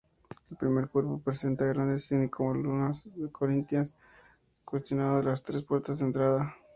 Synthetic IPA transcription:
elpɾime̞ɾkwe̞ɾpo̞pɾese̞nt̪aɣɾand̪esinikʰomolunasekʰoɾint̪jans | kwe̞st̪jo̞naðoðelast̪ɾe̞spwe̞ɾt̪azðent̪ɾaða

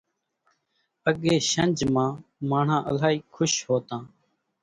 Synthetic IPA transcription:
əɠẽːʃənʲd͡ʒmãːmaːɳ̤ãːʔəlaːiːkʰʊʃɦoːt̪ãː

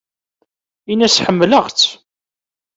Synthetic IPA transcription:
inæsħəmːləʁt͡s

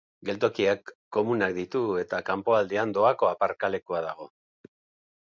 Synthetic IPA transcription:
ɡe̞lt̪o̞kiakː | o̞munak̚d̪it̪ue̞t̪akampo̞ald̪eand̪o̞ako̞apaɾkale̞kuaðaɣ̞o̞

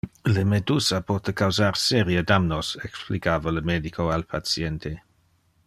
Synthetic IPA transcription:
ləmed̪usapɔt̪əkawzaɾseɾjəd̪amnosɛksplikaːvaləmed̪ikʰoalpʰat͡sjɛnt̪ʰe

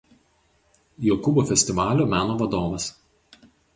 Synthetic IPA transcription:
joːkʊboːfʲɛsʲt̪ʲɪʋɑːlʲoːmʲæːnoːʋɐd̪oːʋɐs

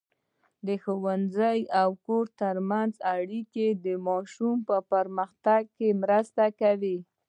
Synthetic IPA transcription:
d̪əxowanzəjawkoɾt̪əɾmanzaɽiked̪əmɑʃumpəpəɾməxt̪aɡ̚kemɾəst̪akawi

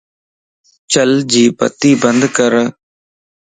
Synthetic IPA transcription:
t͡ʃəld͡ʒiːpə̰t̪ːiːbənd̪kəɾ

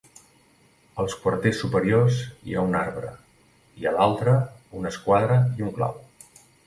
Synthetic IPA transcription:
əlˠskwərt̪esːupəɾiorzḭaunaɾβɾə̰ | iəlalˠt̪ɾəunəskwaðɾəiuŋkla̰w

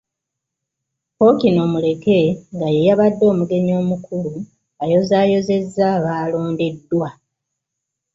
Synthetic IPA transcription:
po̞kino̞mule̞ke̞ŋɡajejaβadːo̞ːmuɡe̞ɲo̞ːmukʰulu | ajo̞zaːjo̞ze̞zːaβaːlo̞ːndedːwa

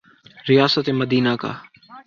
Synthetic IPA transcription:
ɾɪjaːsət̪eməd̪iːnaːka̰ː

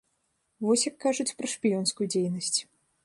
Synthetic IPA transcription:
vɔsʲjɐkːaʐut͡sʲpɾɐʂpʲijɔnskujud͡zʲejnɐsʲt͡sʲ

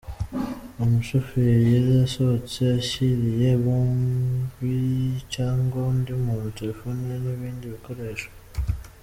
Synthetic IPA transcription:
omuʃofijezasot͡seaʃiɾijeβunvicaːŋɡoundimuːntuβifunieniβiːndiβiko̞ɾe̞ʃḁ

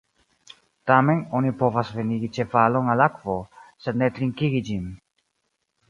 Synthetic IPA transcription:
t̪amenonipovasveniɡit͡ʃe̞falonalakvosed̪net̪ɾiŋkiɡid͡ʒin

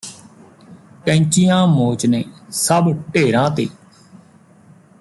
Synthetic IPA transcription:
kɛ̃ːt͡ʃijãːmoːt͡ʃneːsəbʈeːɾãːt̪eː

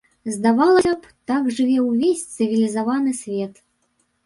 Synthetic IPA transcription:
zd̪avalˠɐap | t̪aɡʐɨvʲɛwvʲesʲt̪sɨvʲilʲizavanɨsʲvʲɛt̪

